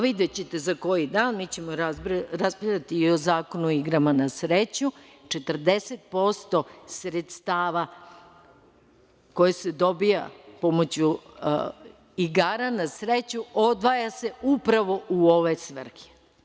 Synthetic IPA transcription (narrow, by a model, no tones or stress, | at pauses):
ʋid̪et͡ɕet̪e̞zako̞jid̪aːnmiːt͡ɕe̞moɾaɾaspit̪at̪iːozaːkonuoiɡɾamanasɾet͡ɕɲu | t͡ʃe̞t̪r̩d̪eset̪̚po̞st̪o̞sɾet̪st̪aːʋa | ko̞jesed̪o̞bija̰pomot͡ɕu | iɡaːɾanasɾet͡ɕuod̪ʋajase̞upɾaʋo̞ʔuo̞ʋesʋr̩xi̥